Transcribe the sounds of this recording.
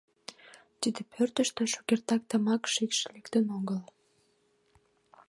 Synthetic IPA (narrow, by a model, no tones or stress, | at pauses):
t̪id̪epʰørt̪əʃt̪eʃokert̪ɑk̚t̪əmɑkʃikʃlekt̪ənoɡəl